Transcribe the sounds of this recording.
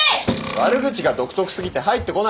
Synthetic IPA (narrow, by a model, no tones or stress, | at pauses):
βaɾɯ̟ɡɯ̟t͡ɕiɡad̪o̞kɯ̥t̪o̞kɯ̟̥sɨɡʲit̪e̞ɦait̪ːe̞ko̞na